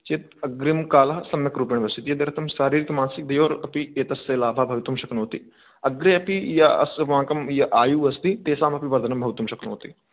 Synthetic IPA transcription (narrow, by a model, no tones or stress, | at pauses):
t͡ʃeːt̪̚ɐɡɾimkaːlɐɦsɐmjɐkɾuːpeɳ̃ʋɐsit̪jɐd̪eɾɐt̪ʰɐmʃaːɾiːɾikmaːnsik̚d̪ɐjoːɾɐpieːt̪ɐseːlaːbʱaːbʱɐʋit̪umʃɐknoːt̪i | ɐɡɾeɐpijɐɐ̰sãːkɐmjɐʔaːjuːɐst̪it̪eːsaːmɐpiʋɐɾd̪ʱɐnɐmbʱɐʋt̪ːumʃɐkno̰ːt̪i